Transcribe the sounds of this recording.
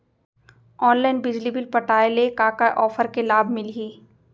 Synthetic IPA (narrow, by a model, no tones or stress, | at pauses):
ɔːnlaːɪnbɪd͡ʒlibɪlpɐʈaːelekaːkaʔɔːfəɾkelaːbʱmɪlɦiː